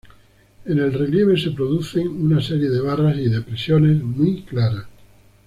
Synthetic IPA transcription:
ene̞lre̞lje̞β̞e̞se̞pɾo̞ðuθe̞ŋunase̞ɾje̞ðe̞β̞arasiðepɾe̞sjo̞ne̞zmujklaɾa

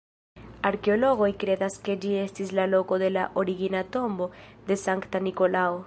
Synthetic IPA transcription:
aɾke̞o̞lo̞ɡo̞jkɾe̞daske̞d͡ʒie̞stislalo̞ko̞de̞la̰ʔo̞ɾiɡinato̞mbo̞d̪e̞saŋktaniko̞lao

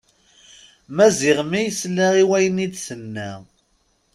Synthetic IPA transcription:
mæzɪʁmijəslːæʁiwæjənid̪sənːæ

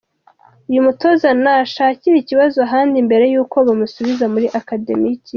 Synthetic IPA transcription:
ujumuto̞zanaʃaːciɾiciβazoaɦaːndimbe̞ɾe̞juːko̞βamusuβizamuɾiʔakade̞̰mici

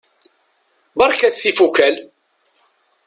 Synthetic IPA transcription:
bɑɾˤkæθθifukæl

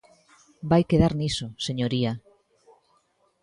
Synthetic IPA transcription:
bajkeðaɾnisoseɲoɾia

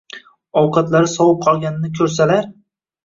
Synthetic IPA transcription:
ɒwqʰɑt̪laɾɪsɒwɨp̚qʰɒlˠɡʲanɪnɪkʲʰɵɾsalaɾ

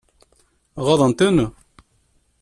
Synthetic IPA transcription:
ʁɑðˤənt̪ænə

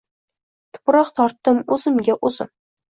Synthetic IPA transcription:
t̪ʰʊ̥pɾɒqt̪ʰɒɾt̪ːɨmɵzɪ̆mɡʲaʔozɪ̰m

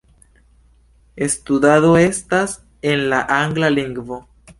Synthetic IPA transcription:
e̞st̪ud̪aðo̞e̞stas | e̞nlaʔaŋɡlaliŋɡvo̞

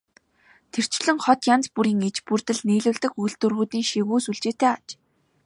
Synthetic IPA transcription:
t̪ʰer̥t͡ɕɮɘ̆ŋχɔt̪jant͡spuɾiːŋet͡ɕpurt̪ɘ̆ɮniːɮʊ̆ːɮt̪ɘ̆kujɮt̪ɵ̆rɣuːt̪iːŋʃiɣuːsuɮt͡ɕeːt̪eːat͡ɕ

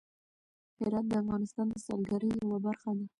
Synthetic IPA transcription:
hɪɾɑt̪̚d̪əafɣɑnɪst̪ɑnd̪əsɑ̰lɡaɾəjawabaɾxad̪a

